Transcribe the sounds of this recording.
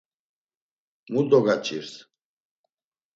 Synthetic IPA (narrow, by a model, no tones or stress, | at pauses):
mud̪ɔɡat͡ʃʼiɾs